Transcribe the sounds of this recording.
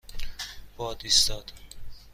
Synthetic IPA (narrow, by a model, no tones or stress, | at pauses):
b̥ɒːd̪ist̪ɒːd̪̥